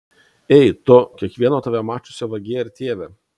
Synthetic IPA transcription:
ɛɪt̪ʊkʲiɛkʋʲiɛnoːt̪ɐʋʲɛmɑːt͡ʃʲʊsʲoːʋɐɡʲeːjɪɾt̪ʲeːʋʲɛ

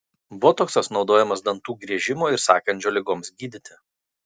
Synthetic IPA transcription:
bʊɔt̪oːksɐsnɒʊd̪oːjɛmɐsd̪ɐnt̪uːɡɾʲiɛʒʲɪmuːɪɾsɑ̰ːkɐnʲt͡ʃʲoːlʲɪɡoːmsɡʲiːd̪ʲɪt̪ʲɪ

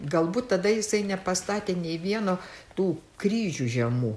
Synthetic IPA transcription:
ɡɐlˠbuːt̪t̪ɐd̪ɐjɪsɐɪnʲɛpɐst̪ɑːt̪ʲeːnʲɛɪʋʲiɛnoːt̪uːkɾʲiːʒʲuːʒʲɛmuː

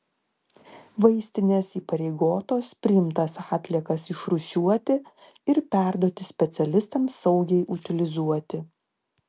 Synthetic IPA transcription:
ʋɐɪsʲt̪ʲɪnʲeːsiːpɐɾʲɛɪɡoːt̪oːspʲɾʲɪjɪmt̪ɐsɑːt̪ʲlʲiɛkɐsɪʃɾʊʃʲuɔt̪ʲɪ | ɪɾpʲæˑɾd̪oɔt̪ʲɪsʲpʲɛt̪sʲɛlʲɪst̪ɐmsːɐʊɡʲɛɪʔʊt̪ʲɪlʲɪzuɔt̪ʲɪ

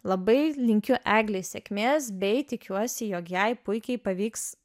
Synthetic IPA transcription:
lˠɐbɐɪlʲɪŋʲkʲʊʔæːɡlʲesʲɛkʲmʲeːsbʲɛɪt̪ʲɪkʲuɔsʲɪjoːkjɛɪpʊɪkʲɛɪpɐʋʲiːks

